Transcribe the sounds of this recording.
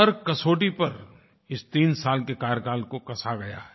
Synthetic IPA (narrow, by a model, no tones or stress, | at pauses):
ɐɾkɐsoːʈipɐɾ | ɪst̪iːnsaːlkekaːɾkaːlkokɐsʰaɡɐja̰ɦɛ